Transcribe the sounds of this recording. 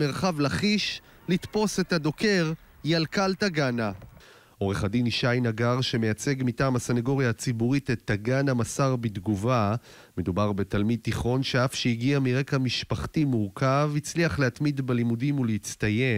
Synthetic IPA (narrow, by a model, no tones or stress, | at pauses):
meʁχavlaχiʃ | lit̪po̞sethad̪o̞keʁ | jalkaltaɡana | ʔo̞ʁe̞χadiniʃajnaɡaʁʃe̞mejat͡se̞ɡmitaːmasanaɡo̞ʁjaat͡sibuʁitet̪ːaɡanamasaʁbid̪ɡuva | me̞dubaʁbe̞talmid̪̚tiχo̞nʃe̞afʃeiɡiamiʁe̞kamiʃpaχtimuʁkavit͡sliaχlehatmidbelimudimuleit͡st̪aje̞